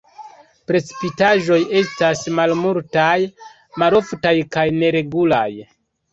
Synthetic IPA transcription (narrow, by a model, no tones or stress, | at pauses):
pɾe̞t͡si̥pitaʒo̞je̞stasmalmultaj | maɾo̞ftajkajne̞ɾe̞ɡula̰j